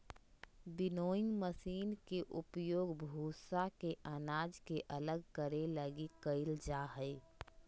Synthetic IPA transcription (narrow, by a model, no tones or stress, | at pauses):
bɪnoːɪ̃ŋɡməsiːnkeʔʊpjoːɡbʱuːsakeʔənaːd͡ʒkeʔələɡ̚kəɾeləɡikəɪld͡ʒaːɦəɪ